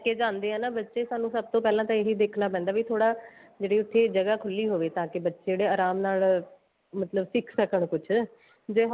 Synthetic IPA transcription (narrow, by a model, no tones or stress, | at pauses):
keːd͡ʒãːnd̪eːɛːnaːbətːʃeːsaːnũːsəb̚t̪õːpɛːlãːt̪ãeɦid̪eːkʰnaːpɛ̃ːnd̪aːʋiːt̪ʰoːɽaːd͡ʒeːɽiːʊt̪ʰːeːd͡ʒəɡaːkʰʊlːiːɦoːʋeːt̪ãːkɪbətːʃːɽeːaːɾaːmnaːl | mət̪ləbsɪkʰsəkəɳ̃kʊt͡ʃʰ | d͡ʒeːɦ